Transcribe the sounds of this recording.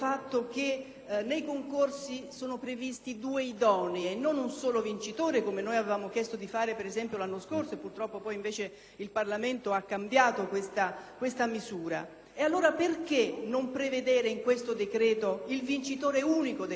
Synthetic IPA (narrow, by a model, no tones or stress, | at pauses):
fat̪ːok̟e | nːejkoŋkorsisoːnopɾevist̪id̪uːeid̪ɔnienːonunsoːlovint͡ʃit̪oːɾekomenoːjavevaːmok̟jɛst̪od̪ifaːɾepeɾezɛmpjolanːoskorsoepːurt̪ɾɔpːopɔjiɱveːt͡ʃe | ilparlament̪oakːambjaːt̪okwest̪akwest̪amizuːɾa̰ | ealːoːɾaperk̟enompɾeved̪ɛːɾeiŋkwest̪od̪ekɾɛːt̪oilvint͡ʃit̪oːɾeuːnikod̪e